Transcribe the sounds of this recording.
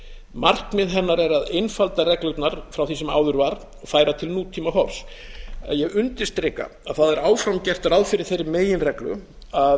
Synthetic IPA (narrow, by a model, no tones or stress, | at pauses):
mar̥kmɪðɦɛnːaɾɛɾaðejnfalt̪arɛklʏt̪naɾ̥fɾawθisɛma̰ːwðʏɾvaɾ | ɔɣfaːjɾat̪ʰɪlnuːt̪ʰiːmaɦɔɾ̥sa̰ðjɛɣʏnt̪ɪst̪ɾɪka̰aðθaðɛɾaːwfɾamcɛr̥t̪ɾawðfɪɾɪɾ̥θejɾːɪmeːjɪnrɛklʏ̰ | a